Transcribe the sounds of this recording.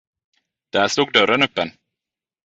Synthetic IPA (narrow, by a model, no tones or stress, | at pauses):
d̪̥æːʂt̪uːɡ̚d̪œɾənɵpːɛn